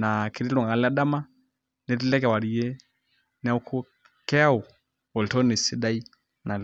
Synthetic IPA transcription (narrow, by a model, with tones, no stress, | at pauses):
na˨ki˨ɾi˦lɔ˨ŋɡa˨la˦ɗa˦ma˦ | nɛ˨ti˦lɛ˦k̬ɛ˨wa˨ɾi˨jɛ˦ | n˦a˦u˦kʰu˦ | kɛ˦a˦u˨ | ɔ˨ltɔ˦ni˨si˦da˦i˦ | na˨l